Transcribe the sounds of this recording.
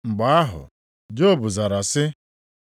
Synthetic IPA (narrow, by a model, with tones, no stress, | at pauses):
ŋ͡m̩˨ɡ͡ba˨˦a˦ɦʊ̰˨ | d͡ʒo˦˨bʊ˨za˨ɾa˨sɪ˦